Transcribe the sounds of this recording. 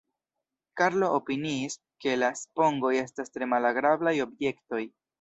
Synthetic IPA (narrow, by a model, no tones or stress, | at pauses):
kaɾlo̞ʔopiniːs | ke̞laspo̞ŋɡo̞je̞stastɾe̞malaɡɾablajo̞bje̞kto̞j